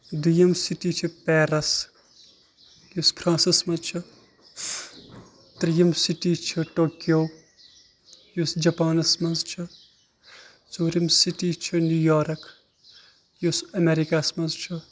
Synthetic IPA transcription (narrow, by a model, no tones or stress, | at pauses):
d̪ujɐmsiʈiːt͡ʃʰupeːɾɐs | juspʰɾãːnsismɐzt͡ʃʰu | t̪ɾijɐmsiʈit͡ʃʰuʈoːkjoː | jusd͡ʒɐpaːnɐsmɐnzt͡ʃʰu | suːɾimsiʈiːt͡ʃʰunujoːɾɐk | jusɐmeɾikasmɐnzt͡ʃʰu